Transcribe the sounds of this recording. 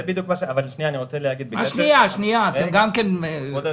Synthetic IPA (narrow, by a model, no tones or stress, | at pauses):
ebid̪jukmaʃeavalːʃnijaniʁot͡selehaɡid̪̚bea̰ʃniaʃnijat̪emɡamkene